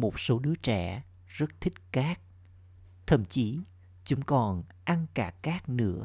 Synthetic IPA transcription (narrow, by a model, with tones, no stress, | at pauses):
mo˨˩t̚so˨˦ɗɨ˨˦ət͡ɕɛ˧˩ | zə˦˥t̚t̪ʰï˦˥k̟̚kaː˦˥k̚ | t̪ʰə˨˧˩mt͡ɕi˨˦ | t͡ɕʊ˨˦ŋ͡mkɔ˨˩nʔa˧nkaː˧˩kaː˦˥k̚nɨ̰˧˥ə